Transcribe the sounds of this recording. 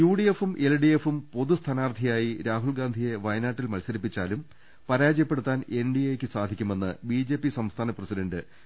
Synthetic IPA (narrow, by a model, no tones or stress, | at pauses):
juːɽije̞fumʔelɖijefumpo̞ðust̪ʰɐnaːrt̪ʰijaːjiɾaːɦuɭɡaːnd̪ʱije̞ʋɐjnaːʈːilmɐlsɐɾipːit͡ɕːaːlum | pɐɾaːd͡ʑjɐpːe̞ɽut̪ːaːne̞nɖijeːkʲːɨsaːd̪ʱikʲːume̞nːɨbiːd͡ʑe̞ːpːisɐmst̪ʰaːnɐprɐsiɖɐɳɖɨ